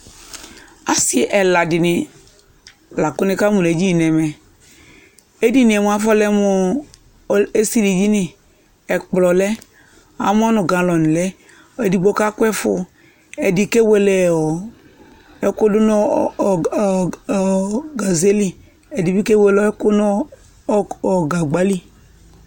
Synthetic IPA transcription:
a˦si˦˨ʔɛ˨la˨dɪ˨nɪ˨ | la˨kʊ˦nɪ˦ka˦mu˨e˨˦d͡ʒi˦i˨nɛ˨mɛ˨ | e˦di˦nĩ˨ɛ˨m˨a˨fɔ˦lɛ˦mo˨ | e˦si˦li˨d͡ʒi˦nɪ̃˨ | ɛ˨k͡plɔ˨lɛ˦ | a̰˨m˦ɔ˦nʊ˨ɡã˨lɔ˨n˨lɛ˦ | e˨di˨ɡ͡bo˦ka˦kɛ˦fʊ˦ | ɛ˨di˨ke˦we˨lɛ˨ɔ˨ | ɛ˦kʊ˦dʊ˦nɔ˦˨ | ɡa˨ze˦li˨ | ɛ˨di˨bi˦ke˦we˨˦lɔ˦ɛ˦kʊ˦nɔ˦ | ɔ˨ɡa˨ɡ͡ba˦li˦

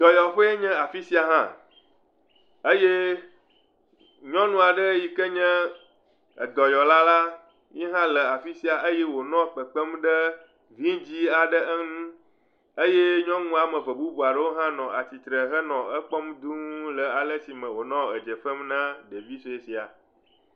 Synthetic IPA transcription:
d̪̥ɔ˨jɔ˨ɸe˦e˦ɲɛ̃˦a˨fi˦si˦a˨ɦã˦ | e˦je˦ | ɲɔ̃˦nũ˦a˨ɖə˦ji˨kə˦ɲɛ̃˦ | ə̰˨d̪ɔ˨jɔ˨la˦la˦ | mĩ˦ɦã˦lə˨a˨fi˦si˦a˨ʔə˦je˦wo˨nɔ̃˦˨k͡pə˨k͡pə˦m˦ɖə˦ | vi˦d͡ʑi˦a˨ɖə˦ʔə˦nũ˦ | e˦je˦ɲɔ̃˦ŋũ˦a˨mə̃˨və˨bu˦bu˨a˨ɖə˦wo˦ɦã˦nɔ̃˨a˨t͡ɕi˨t̪ɾə˨ɦə˦nɔ̃˨ə˦k͡pɔ˦m˦d̪ũ˦lə˨a˨lə˦si˨mə̃˨wo˨nɔ̃˦ə˨d͡ʒə˨ɸə˦mnã˦ɖe˨vi˦so˨e˨si˨a̰˨

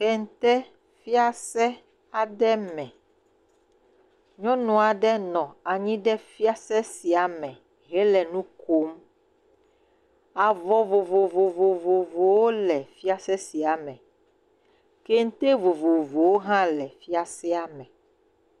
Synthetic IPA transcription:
xɛ˦ŋ̩˦t̪ɛ˦ | fi˦a˦sɛ˦ | a˨ɖɛ˦mɛ̃˨ | ɲɔ̃˦nɔ̃˨a˨ɖɛ˦nɔ̃˨a˨ɲĩ˦ɖɛ˦fi˦a˦sɛ˦si˨a˨mɛ̃˨ | ɣɛ˦lɛ˨nũ˦kʰo˦m | a˨vɔ˨vo˨vo˨vo˨vo˨vo˨vo˨wo˦lɛ˨fi˦a˦sɛ˦si˨a˨mɛ̃˨ | ke˦ŋ̩˦t̪e˦vo˨vo˨vo˨wo˦ɦã˦lɛ˨fi˦a˦sɛ˦a˨mɛ̃˨

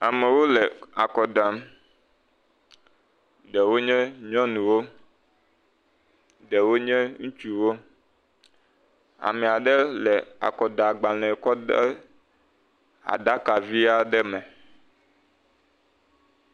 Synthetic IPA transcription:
a˨me˨wo˦lɛ˨a˨kɔ˨d̪a˨m˦ | ɖɛ˨wo˦ɲɛ̃˦ɲɔ̃˦nũ˨wo˦ | ɖɛ˨wo˦ɲɛ̃˦ŋũ˦t͡ʃu˦wo˦ | a̰˨mɛ̃˨a˨ɖɛ˦lɛ˨a̰˨kɔ˨d̪a˨ɡ͡ba˨lɛ̃˨kɔ˦de˦ | a̰˨d̪a˦ka˨vi˦a˦ɖɛ˦mɛ̃˨

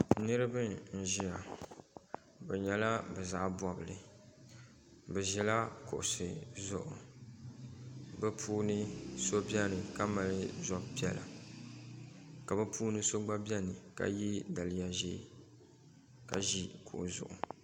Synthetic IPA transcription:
nɨ˦ɾɨ˦bɨ˦n̩˨ʒi˦ja˨ | bɛ˨ɲɛ˨la˦bɛ˨za˨ʔbɔ˨bɨ˨lɨ˨ | bɛ˨ʒɛ˨la˦kʊ̰˨ʔʊ˨sɨ˨zʊ̰˦˨ʔʊ˨ | bɛ˦pʰuː˦nɨ˦so˦bɛ˦nɨ˨ka˦ma˨lɨ˦zɔ˨bpi˦ɛ˦la˨ | ka˨bɛ˦pʰuː˦nɨ˦so˦ɡ͡ba˦bɛ˦nɨ˨ka̰˨ji˦da˨lɪ˦ja˨ʒeː˦˨ | ka̰˨ʒi˦kʰʊ̰˨ʔʊ̰˨zʊ̰˨ʔʊ̰˨

